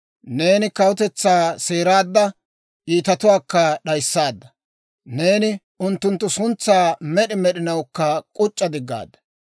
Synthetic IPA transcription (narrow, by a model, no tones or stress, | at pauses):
ne̞ːnɪkɐwʊt̪ɛt͡sːaːse̞ːɾaːd̪ːɐ | ʔiːt̪ɐt̪ʊwaːkːɐɗɐjsːaːd̪ːɐ̥ | ne̞ːnɪ | ʊnt̪ːʊnt̪ːʊsʊnt͡sːaːmɛɗɪmɛɗɪnɐwkːɐkʼʊt͡ʃʼːɐd̪ɪɡːa̰ːd̪ːɐ